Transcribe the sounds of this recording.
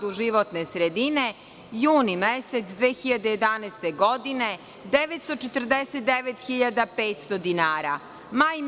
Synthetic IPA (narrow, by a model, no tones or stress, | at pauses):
d̪uʒiʋot̪nesɾed̪ine̞ | juːnimeset̪sd̪ʋeːxiʎad̪ejed̪aneːst̪eɡod̪ine̞ | d̪eʋet̪st̪ot͡ʃet̪r̩d̪eset̪̚d̪eʋet̪xiʎad̪apeːt̪st̪od̪inaːɾa̰ | maːj